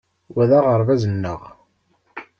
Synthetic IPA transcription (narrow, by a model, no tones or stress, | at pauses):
wæðæʁəɾˤvæzənːəʁ